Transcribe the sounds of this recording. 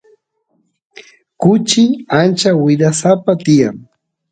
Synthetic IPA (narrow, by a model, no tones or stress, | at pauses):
kʊt͡ʃɪant͡ʃawɪd̪asapat̪ɪjaŋ